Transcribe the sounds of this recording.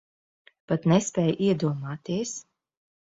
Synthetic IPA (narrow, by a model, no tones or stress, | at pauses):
pat̪nɛspʲɛːjʔiɛd̪uɔmaːt̪iɛs